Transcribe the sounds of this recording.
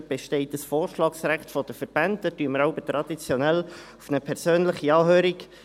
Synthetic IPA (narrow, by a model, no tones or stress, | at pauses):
b̥eʃtɛɪtəsfoːrʃlɑːksɾæχtfɔd̥əfəɾb̥æntdətyːəməɾɑʊbət̪ɾɑd̥̪it͡sjɔnɛlufnəpʰɛɾsøːnləχiɑːɦøːɾik